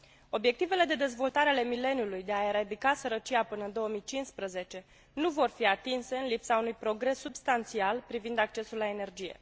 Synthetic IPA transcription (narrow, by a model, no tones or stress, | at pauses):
o̞bje̞k̚t̪ive̞le̞d̪e̞d̪e̞zvo̞lt̪aɾeale̞mile̞njulujd̪e̞ae̞ɾad̪ikasəɾət͡ʃiapɨnəɨnd̪o̞əmijt͡ʃinspɾəze̞t͡ʃe̞ | nuvo̞rfiat̪inse̞ɨnlipsaunujpɾo̞ɡɾe̞sːubst̪ant̪sialpɾivind̪ak̚t͡ʃe̞sulːae̞ne̞rd͡ʒije̞̰